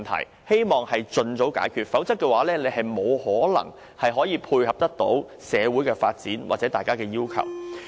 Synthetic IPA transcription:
nt̪ʰɐ̰˨˩j | he˥jmɔː˨ŋhɐ˨jt͡sɵ˧nt͡so˨˥wka̰ː˨˥jkʰyː˧t̚fɐ˨˥wt͡sɐ˥k̚kːɛː˧waː˨˥lɛː˥le˨˧jɦɐ˨jmo˨˧whɔː˨˥lɐ̰˨˩ŋ | hɐ˨jɦɔː˨˥jiː˨˧pʰuː˧jhɐ˨p̚t̪ɐ˥k̚t̪o̰˨˥w | sɛː˨˧wu˨˥jkɛː˧faː˧t̚t͡siː˨˥nwa̰ː˨t̚t͡sɛː˨˥t̪aː˨jkaː˥kɛː˧jiː˥wkʰɐ̰˨˩w

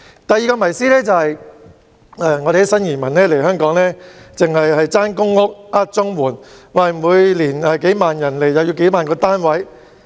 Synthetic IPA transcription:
t̪ɐ˨jiː˨˧kɔː˧mɐ˨˩jsiː˥lɛː˥t͡sɐ˨˧hɐ˨j | ɛː˧ŋɔ˨˧ɾe˨˧˥sɐ˥njiː˨˩nmɐ˨˩nlɛː˥le˨˩hœː˥ŋkɔː˨˥ŋlɛː˥t͡sɪ˨ŋhɐ˨jhɐ˨jt͡saː˥nkʊ˥ŋːʊ˥k̚aː˥t̚t͡sʊ˥ŋwuː˨˩nwaː˨˩jm˨wuː˨˧jliː˨˩nɐ˨ke˨˥jmaː˨njɐ˨˩nle˨˩jjɐ˨˧wji˨˧wke˨˥jmaː˨nkɔː˧t̪aː˥nwɐ˨˥j

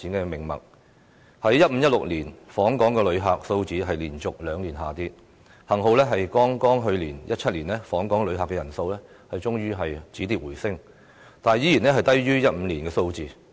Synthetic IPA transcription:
iː˨˥nkɛː˧mɪ˨˩ŋmɐ̰˨k̚ | hɐ˨˥jːɐ˥t̚m̩˨˧˦jɐ˥t̚lʊ˨k̚liː˨˩nfɔː˨˥ŋkɔː˨˥ŋkɛː˧lɵ˨˧ɥɦaː˨k̚so˧wt͡siː˨˥ɦɐ˨jliː˨˩nt͡sʊ˨k̚lœː˨˧ŋliː˨˩nɦa̰ː˨˩t̪iː˧ | hɐ˨˩ŋɦo˨˧wlɛː˥ɦɐ˨jkɔː˥ŋkɔː˥ŋɦɵ˧ɥliː˨˩njɐ˥t̚t͡ʃʰɐ˥t̚liː˨˩nlɛː˥fɔː˨˥ŋkɔː˨˥ŋlɵ˨˧ɥɦaː˨kːɛː˧jɐ˨˩nso˧wlɛː˥ | hɐ˨jt͡ʃʊ˥ŋjyː˥ɦɐ˨jt͡siː˨˥t̪iː˧p̚wuː˨˩jsɪ˥ŋ | t̪aː˨njiː˥ji˨˩nlɛː˥ɦɐ˨jt̪ɐ˥jɥyː˥jɐ˥t̚m̩˨˧liː˨˩nkɛː˧so˧wt͡siː˨˧

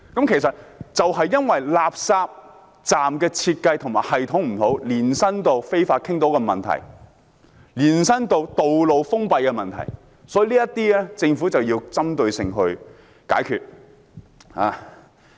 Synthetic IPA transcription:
kɐ˨˥mkʰe˨˩sɐ˨t̚t͡sɐ˨wɦɐ˨jːɐ˥nwɐ˨jlaː˨p̚saː˧p̚ | t͡saː˨mkɛː˧t͡sʰiː˧t̚kɐ˧jt̪ʰʊ˨˩ŋmaː˨˩hɐ˨jt̪ʰʊ˨˥ŋm̩˨˩t̪ʰo˨˥wliː˨˩nsɐ˥nt̪o˨˧wfe˥jfaː˧t̚kʰɪ˥ŋt̪o˨˥wkɛ˧mɐ̰˨nt̪ʰɐ̰˨˩j | liː˨˩nsɐ˥nt̪o˨˧wt̪o˨wlo˨wfʊ˥ŋpɐ˨˧jkɛ˧mɐ˨nt̪ʰɐ̰˨˩j | sɔː˨˥ji˨˧liː˥jɐ˥t̪iː˥ɛː˥t͡sɪ˧ŋfuː˨˥t͡sɐ˨wjiː˧wt͡sɐ˥mt̪ɵ˨˧ɥsɪ̰˨˩ŋɦɵ˧ɥ | ka̰ː˨˥jkʰyː˧t̚ | haː˨˧

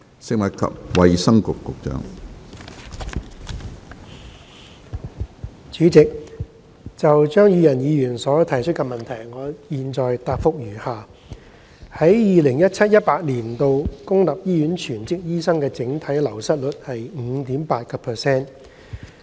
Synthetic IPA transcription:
sɪ˨k̚mɐ˨t̚kʰɐ̰˨p̚wɐ˨jsɐ˥ŋkʊ˨kːʊ˨k̚t͡ʃœ̰ː˨˥ŋ | t͡ʃyː˨˥t͡sɪ˨k̚ | t͡sɐ˨wt͡ʃœː˥ŋjyː˨˧jɐ˨˩njiː˨˧jyː˨˩nsɔː˨˥t̪ʰɐ˨˩jt͡ʃʰɵ˥t̚kɛ˧mɐ˨nt̪ʰɐ˨˩jŋɔː˨˧jiː˨nt͡ʃɔː˨jt̪aː˧p̚fʊ˧k̚jyː˨˩haː˨˩ | hɐ˨˥jjiː˨lɪ˨˩ŋjɐ˥t̚t͡sʰɐ˥t̚jɐ˥t̚paː˧t̚liː˨˩nt̪o˨˧wkʊ˥ŋlɐ˨p̚jiː˥jyː˨˥nt͡ʃʰyː˨˩nt͡sɪ˥k̚jiː˥sɐ˥ŋkɛː˧t͡sɪ˨˥ŋt̪ʰɐ˨˥jlɐ˨˩wsɐ˥t̚lɵ˨t̚hɐ˨jŋ̩˨˧t̪iː˨˥mpaː˧t̚kɐ˧pʰɛː˨sɛː˥n

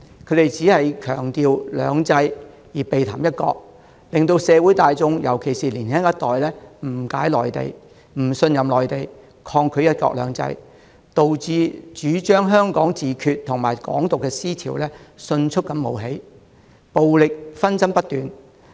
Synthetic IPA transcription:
kʰɵ˨˧˥t̪e˨jt͡siː˨˥hɐ˨jkʰœː˨˩ŋt̪iː˨wlœ̰ː˨˧ŋt͡sɐ˧j | jiː˨˩pe˨jt̪ʰaː˨˩mjɐ˥t̚kɔ̰ː˧k̚ | lɪ˨ŋt̪o˧wsɛː˨˧wuː˨˥jt̪aː˨jt͡sʊ˧ŋjɐ˨˩wkʰe˨˩jsiː˨liː˨˩nhɛː˥ŋjɐ˥t̚t̪ɔː˨jlɛː˥m̩˨˩kaː˨˥jlɔː˨jt̪ḛ˨j | m̩˨˩sɵ˧njɐ˨mlɔː˨˩jt̪e˨˩j | kʰɔː˧ŋkʰɵ˨˧ɥjɐ˥t̚kɔ̰˧˥k̚lœː˨˧ŋt͡sɐ̰˧j | t̪o˨wt͡siː˧t͡ʃyː˨˥t͡ʃœː˥ŋɦœː˥ŋkɔː˨˥ŋt͡siː˨kʰyː˧t̚t̪ʰːʊ˨˩ŋmaː˨˩jkɔ̰ː˨˥ŋt̪ʊ˨kːɛː˧siː˥t̪ʰḭː˨˩wlɛː˥sɵ˧nt͡ʃʰɵ˥k̚kːɐ˧˥mmo˨˧wɦe˨˥j | po˨wlɪ˨k̚fɐ˥nsɐ˥mpɐ˥t̚t̪yː˨n

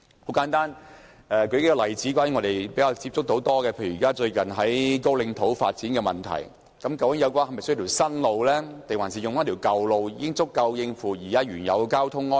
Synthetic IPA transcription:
ho˨˥wkaː˨˥nt̪aː˥n | ɛː˧kɵ˧ke˥kːɔ˧lɐ˨˩jt͡si˨˥kʷwaː˧˥jŋɔ˨˧d̪e˨˩jpe˨˥kaː˧wt͡si˧p̚t͡sʊ˥k̚t̪o˨˥wt̪ɔː˥kɛː˧pʰe˧jkaː˥t͡ʃɵ˧ɥkɐ˨nɦɐ˨˥jko˥wlɪ˧ŋt̪ʰo˨˥wfa̰ː˧t̚t͡siː˨˥nkɛː˧mɐ̰˨˩nt̪ʰɐ̰˨˩j | kɐ˨˦˥mkɐ˧wkɪ˨˥ŋjɐ˨˧wkʷaː˧˥nhɐ˨˩mɐ˨˩st̪ʰːwsɐ˥nlo˨˧wlɛː˥t̪e˨jwaː˨˩nsi˨jʊ˨ŋfaː˨˥t̪ʰi˨˩wkɐ˨wlo˨˧wjiː˧˥kɪ˥ŋt͡sʊ˥kːɐ˧wjɪ˧ŋfuː˨˩jiː˨˩kaː˨˥ɥyː˨˩njɐ̰˨˧wkaː˥wt̪ʰʊ˥ŋːɔː˥

